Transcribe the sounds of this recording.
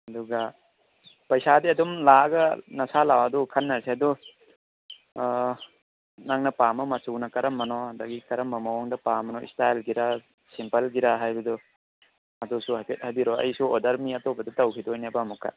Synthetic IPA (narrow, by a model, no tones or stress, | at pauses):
ɐduɡɐ | pɐjsadiɐdumlaɡɐnɐsalawɐdukʰɐnːɐɾseɐdu | naŋnɐpamɐmɐt͡ʃuwnɐkɐɾɐmːɐnɔadaɡikɐɾɐmːɐmɐwɔŋdɐpamɐnɔḭstajlɡiɾa | simpɐlɡiɾaɦajbɐdu | ɐdusuhajpʰet̚habiɾɔɐ̰jsuɔdɐɾmiɐtɔbɐdutɐwkʰidɔjnabɐːmukʰa̰t̚